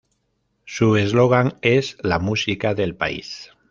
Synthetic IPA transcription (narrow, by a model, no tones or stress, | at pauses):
suezloɣ̞aŋezlamusikaðe̞lpa̰ḭs